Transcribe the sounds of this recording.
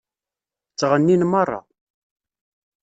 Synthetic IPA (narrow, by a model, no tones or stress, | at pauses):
t͡sːʁənːinmɑrˤːɑ̰